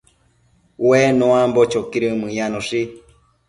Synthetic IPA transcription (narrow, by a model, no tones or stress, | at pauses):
wenõãmbot͡ʃokiɾɨmɨ̃jãnõʂi